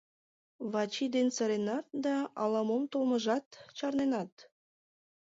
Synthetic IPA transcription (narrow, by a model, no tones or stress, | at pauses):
βɑt͡ɕid̪ensəɾenɑt̪̚d̪ɑɑlɑmomt̪olməʒɑt̪t͡ɕɑrnenɑt̪̚